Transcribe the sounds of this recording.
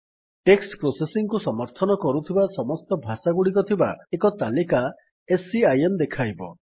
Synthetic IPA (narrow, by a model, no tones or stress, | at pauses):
ʈeksʈpɾosesiŋkusɔmɔɾt̪ʰɔnɔkɔɾut̪ʰibasɔmɔst̪ɔbʱasaɡuɽikɔt̪ʰiba̰ekɔt̪alika | esiajemd̪ekʰajbɔ̰